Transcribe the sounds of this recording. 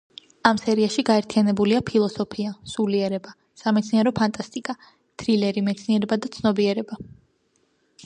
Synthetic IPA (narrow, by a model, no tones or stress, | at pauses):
amsɛɾiaʃiɡaɛɾt̪ʰianɛbuliapʰilˠɔsɔpʰiasuliɛɾɛba | samɛt̪sʰniɛɾɔpʰant̪ʼast̪ʼikʼa | t̪ʰɾilɛɾimɛt̪sʰniɛɾɛbad̪at̪sʰnɔbiɛɾɛba